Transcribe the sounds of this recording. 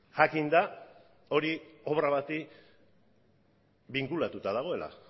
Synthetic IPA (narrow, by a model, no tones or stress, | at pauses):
ʝakind̪a | o̞ɾio̞βɾaβat̪i | biŋkulat̪ut̪að̞aɣ̞o̞e̞lʔa̰